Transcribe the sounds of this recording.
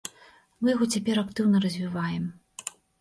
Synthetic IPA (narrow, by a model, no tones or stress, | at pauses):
mɨjaɣɔt͡sʲapʲɛɾakt̪ɨwnɐrɐzʲvʲivajɛm